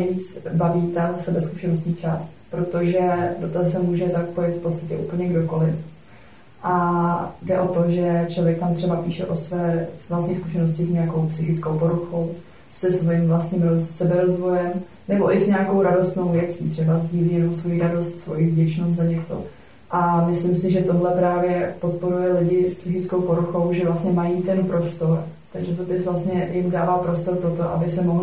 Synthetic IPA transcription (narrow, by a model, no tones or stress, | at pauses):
ɲɛviːt͡sbaviːt̪asɛbɛsku̥ʃɛnost̪ɲiːt͡ʃast̪pɾo̞t̪oʒɛdot̪azs̬ɛmuːʒɛzapo̞jɪt̪fpott͡sst̪acɛʔṵːpl̩ɲɛɡdo̞ko̞lɪf | ʔadɛʔo̞t̪o̞ʒɛt͡ʃlovjɛk̚t̪amt̪r̥ɛbapiːʃɛ̰ʔosvɛːsvlast̪ɲiːsku̥ʃɛnoscɪzɲɛjako̞wpsɪxɪt͡skowpoɾuxo̞w | sɛsvo̞jimvlast̪ɲiːmɾosɛbɛɾozvo̞jɛm | nɛbo̞ʔɪzɲɛakowɾado̞st̪no̞wvjɛt͡sḭːt̪r̥ɛbazɟiːlijɛnowsvo̞jiɾado̞st̪svojɪvɟɛt͡ʃnost̪zaɲɛt͡so̞̰ | ʔamɪslɪmsɪʒɛt̪o̞ɦlɛpɾaːvjɛpot̪̚po̞ɾujɛlɪɟɪspsɪxɪt͡sko̞wpo̞ɾuxo̞wʒɛvlast̪ɲɛmajiːt̪ɛnpɾo̞st̪oɾ | t̪akʒɛsopɪsvlast̪ɲɛjɪmdaːvaːpɾo̞st̪o̞ɾpɾot̪oʔa̰bɪsɛmoɦl